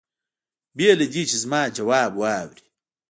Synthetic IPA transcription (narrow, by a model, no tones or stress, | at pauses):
bieled͡ʒit͡ʃizmaːd͡ʒɐwaːbuwaːwɾi̥